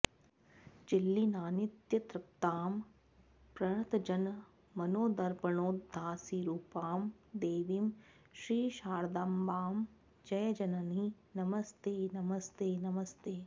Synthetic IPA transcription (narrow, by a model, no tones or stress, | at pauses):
d͡ʒilːinaːnit̪jɐt̪ɾɐk̚t̪aːm | pɾɐɳ̃ɐt̪ɐd͡ʒɐn | mɐnoːd̪ɐɾbɐɳoːd̪ʱːaːsiɾuːpaːmd̪eːʋim | ʃɾiːʃaːɾd̪ambaːm | d͡ʒɐjɐd͡ʒɐnɐni | nɐmɐst̪eːnɐmɐst̪eːnɐmɐst̪eː